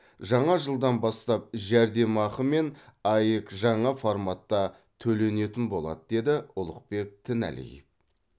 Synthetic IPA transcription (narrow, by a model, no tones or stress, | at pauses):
ʒɑɴɑʒəlˠd̪ɑnbɑst̪ɑp̚ʒæɾd̪e̞mɑχəme̞nɑjəkʒɑɴɑformɑt̪ːɑ | t̪ʰɵle̞ne̞t̪ɪnbo̞lˠɑ̰d̪əd̪e̞d̪ɪʊlˠəq̚pe̞k̚t̪ʰɪnæ̰lḛjp